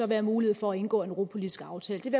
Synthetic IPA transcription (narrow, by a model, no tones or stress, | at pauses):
ɒ̽ʋæːɐmuːlie̝ð̞̩̰ˠfɒ̽æe̝nɡ̥ɔ̰ːenʁopʰo̝lid̥isɡ̥ɑ̈ʊt͡sʰɛ̰ːləd̥e̝ʋe̝